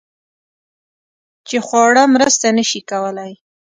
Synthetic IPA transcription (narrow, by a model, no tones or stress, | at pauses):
t͡ʃexwɑɽamɾəst̪anəʃikawəlaj